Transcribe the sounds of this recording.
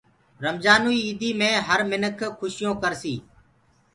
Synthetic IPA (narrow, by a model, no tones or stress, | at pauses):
ɾəmzaːnuːiːiːd̪ʱiːmẽːɦəɾmɪnəkʰkʰːʊʃɪjõːkəɾsiː